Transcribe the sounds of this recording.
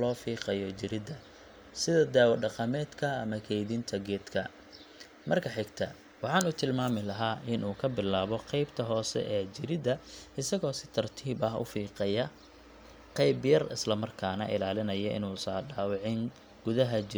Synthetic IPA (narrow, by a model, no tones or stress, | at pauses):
lɔːfiːqɐjɔt͡ʃɪɾɪd̪ɐ | sɪðɐd̪aːwɐɖɑqɐmɛːd̪kʰɐːmɐkʰɛjðint̪ʰɐɡɛːd̪kʰɐ̰ | mɐrkʰɐħɪɡt̪ʰɐ̰ | wɑħɑːnuːt̪ʰɪlmaːmɪlɐɦaːʔɪnuːkʰɐbɪlaːβɔqɛjbt̪ʰɐɦɔːsɛ̰ʔɛːt͡ʃɪɾɪd̪ɐɪsɐɣɔːsɪt̪ʰɐrt̪ʰiːbɐɦʊ̰fiːqɐjɐ | qɛjbjɐrɪslɐmɐrkʰaːnɐʔɪlaːlɪnɐjɐʔɪ̰nuːsɐːɖaːwɑʕɪŋ | ɡʊðɐɦɐd͡ʒɪ